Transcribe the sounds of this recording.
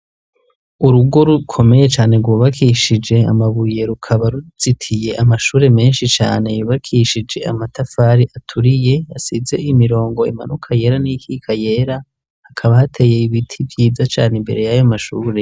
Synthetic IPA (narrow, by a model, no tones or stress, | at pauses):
uɾuɡo̞ɾukʰo̞me̞je̞t͡ʃaːne̞ɾɡwuːβakʰiʃid͡ʒe̞amaβuje̞ɾukʰaβaɾuz̥itʰije̞ʔamaʃuːɾe̞me̞ːnʃit͡ʃa̰ːne̞juːβakʰiʃid͡ʒe̞a̰matafaːɾiʔatʰuɾije̞asize̞ʔimiɾo̞ːŋɡo̞imanukʰaje̞ːɾanikʰikʰaje̞ːɾa | hakʰaβahatʰe̞ːje̞iβitʰivjiːd͡zat͡ʃaːnembe̞ɾe̞jajomaʃuːɾe̞